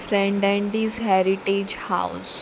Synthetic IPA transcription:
fɾɛ̃ɳɖɛ̃ɳɖizɦɛɾiʈed͡ʒha̰ʊs

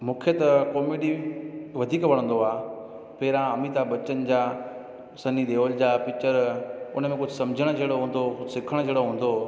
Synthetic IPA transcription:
mũːkʰet̪ɐkoːmiːɖiʋɐd̪ʱiːkʋɐɽə̃nd̪oaː | pːɾãəmit̪abɐt͡ɕənɪ̆d͡ʑaː | sɐnid̪eːʋold͡ʑaːpɪt͡ɕəɾʊnə̆mẽkʊd͡ʑʱʊsɐmd͡ʑʱəɽ̃d͡ʑeːɽoɦũːn̆d̪osɪkʰəɽ̃d͡ʑʱeːɽoɦũːn̆d̪o

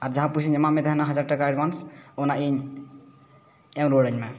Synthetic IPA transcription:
aɾd͡ʒəɦãpusʰinəmamed̪əɦnaɦəd͡ʒaɾʈəkaeɖʋansonaiɲ | emɾoɽəɲme

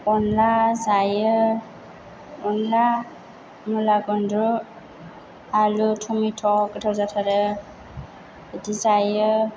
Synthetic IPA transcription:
ɔnlazajɯ | ɔnla | mulaɡɔndɔ | alutʰumitʰɔkɯtʰɔzatʰaɾə | etizajɯ

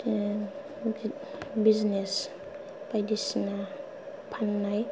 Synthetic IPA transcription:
biznes | pajdisna | pʰanːaj

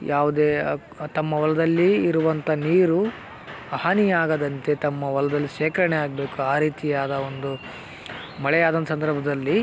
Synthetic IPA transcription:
jʔaːʋud̪eː | t̪ɐmːɐʋɐlɐd̪ɐlːiːɾuʋɐnt̪ʰɐniːɾu | ɐɦanijaːɡɐd̪ɐnt̪e̞t̪ɐmːɐʋɐlɐd̪ɐlːiʃɛːkɐɾɐɳejaːɡɐbe̞ːkuaːɾiːt̪ijaːd̪ɐond̪u | mɐɭɛjaːd̪ɐnt̪ɐsɐnd̪ɐɾbʱɐd̪ɐlːi

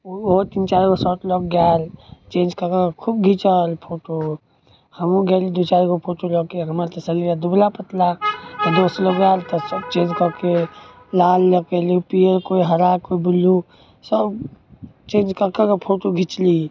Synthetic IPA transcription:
ot̪iːnt͡ʃaːɾɡosɔːʈlɔk̚ɡaːlt͡ʃẽːnd͡ʒkəkakʰub̚ɡʱit͡ʃəlpʰoːʈo | hɐmũɡɛːlid̪ot͡ʃaːɾɡopʰoːʈolɔkeɦəmaɾt̪esəɾiɾad̪ublapət̪lat̪ed̪oːsloːkɡjaːlt̪ɔsəbt͡ʃẽːd͡ʒkəke | laːlːekelipiəɾkoːiɦɐɾakoibʊlu | səb | t͡ʃẽːnd͡ʒkəɾkəkəpʰoːʈoɡʱit͡ʃli

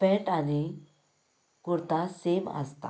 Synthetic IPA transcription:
feʈani | kuɾt̪asema̰st̪a̰

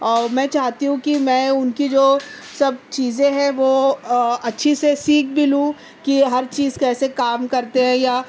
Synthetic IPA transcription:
ɔːɾmɛ̃ːt͡ʃaːɦt̪iɦũkimɛ̃ːʊnkid͡ʒoː | sɐb̚t͡ʃiːzẽɦɛ̃ʋoːɐtːʃʰisesiːk̚ʰbɪlũ | kiɦɐɾt͡ʃiːzkɛːsekaːmkɐɾt̪eɦɛ̃jaː

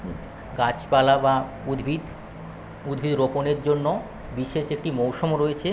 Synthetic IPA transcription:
ɡat͡ɕpalaba | ud̪ʱbʱid̪ | ud̪bʱid̪ɾoponeɾd͡ʑonːo | biʃeʃek̚ʈimowʃomoɾojet͡ɕʰe

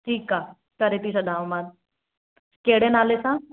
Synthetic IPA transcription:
ʈʰiːka | kɐɾet̪isɐd̪aːʋmad̪̚ | keɽenalesã

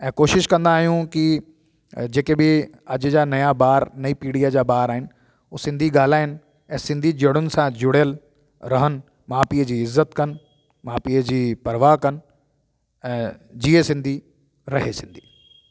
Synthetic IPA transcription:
ɛ̃ːkoːʃɪʃkɐ̃nd̪aːɦijũki | d͡ʑeːkebɪ | ɐd͡ʑd͡ʑaːnɐjabaːɾnɐipiːɽijad͡ʑaːbaːɾaːɦɪnɪ | oːsɪ̃nd̪ʱiɡaːl̤aːɦɪnɪ | ɛ̃ːsɪ̃nd̪ʱid͡ʑɐɽ̃ʊnɪ̆sãd͡ʑʊɽ̤əl | ɾɐɦən | maːpiːəd͡ʑiːɪzːət̪kɐn | maːpiːəd͡ʑiːpɐɾʋakɐn | ɛ̃ːd͡ʑiːesɪ̃nd̪ʱi | ɾɐɦesɪ̃nd̪ʱiː

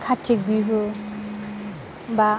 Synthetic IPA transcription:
kʰatʰːik̚biɦɯ | ba

